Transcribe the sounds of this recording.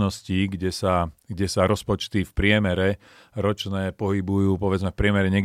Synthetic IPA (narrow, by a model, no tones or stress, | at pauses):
nɔsciːɡɟɛsaɡɟɛsaɾɔspɔt͡ʃt̪ifpɾɪɛmɛɾɛ | ɾɔt͡ʃnɛːpɔɦibujuːpɔʋɛd͡zmɛfpɾɪɛmɛɾɛɲɛɡ